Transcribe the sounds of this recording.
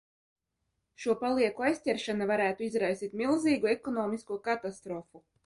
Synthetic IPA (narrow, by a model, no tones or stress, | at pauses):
ʃuɔpalˠiɛkuajsʲtʲɛɾʃanavaɾæːt̪uizɾajsiːt̪milˠziːɡuɛkɔnɔːmiskuɔkat̪ast̪ɾɔfu